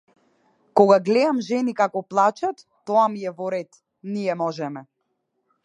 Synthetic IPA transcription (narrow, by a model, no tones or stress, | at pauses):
kɔɡaɡlɛamʒɛnikakɔplˠat͡ʃat̪ːɔamiɛvɔɾɛt̪ | niɛmɔʒɛmɛ